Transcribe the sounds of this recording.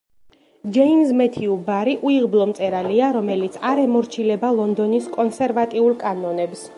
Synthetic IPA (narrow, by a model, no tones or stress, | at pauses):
d͡ʒɛimzmɛt̪ʰiubaɾiʔuiʁblˠɔmt̪sʼɛɾaliaɾɔmɛlit̪sʰaɾɛmɔɾt͡ʃʰilɛbalˠɔnd̪ɔniskʼɔnsɛɾvat̪ʼiulˠkʼanɔnɛbs